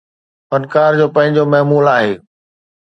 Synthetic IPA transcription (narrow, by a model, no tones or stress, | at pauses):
fɐnkaːɾd͡ʑoːpɐ̃ɦɪ̃ɲd͡ʑomɐɦmuːlaːɦeː